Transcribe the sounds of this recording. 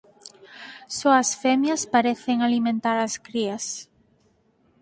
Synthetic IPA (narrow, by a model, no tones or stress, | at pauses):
soɐsfɛmjɐspaɾɛθeŋalimẽnt̪aɾaskɾiɐs